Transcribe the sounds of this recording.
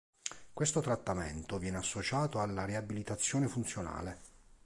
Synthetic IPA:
kwest̪ot̪ɾat̪ːamḛnt̪ovjɛːneasːot͡ʃaːt̪oalːareabilit̪at̪sːjɔːnefunt̪sjona̰ːle

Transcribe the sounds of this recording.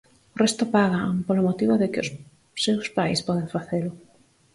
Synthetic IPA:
ʊrest̪ʊpaɣapolʊmot̪iβʊðɪkɪʊs | sewspajspɔðeŋfaθelʊ

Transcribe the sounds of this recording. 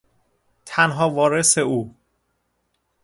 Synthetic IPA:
t̪ʰænɦɒːvɒːɾe̞se̞uː

